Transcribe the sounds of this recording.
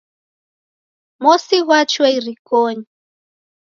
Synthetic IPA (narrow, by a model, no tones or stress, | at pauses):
mɔsiɣwat͡ʃwɔiɾikɔɲi